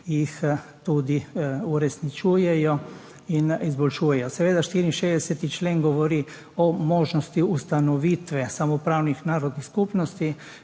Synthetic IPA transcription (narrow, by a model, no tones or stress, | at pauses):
jixt̪uːd̪iuɾɛsnit͡ʃuːjɛjɔ | inizbɔlʃuːjɛjɔsɛʋeːd̪aʃt̪iːɾiinʃeːzd̪ɛsɛt̪it͡ʃleːnɡɔʋɔɾi | ɔmoːʒnɔst̪iust̪anɔʋiːt̪ʋɛsamɔpɾaːwnixnaːɾɔd̪niskupnɔst̪i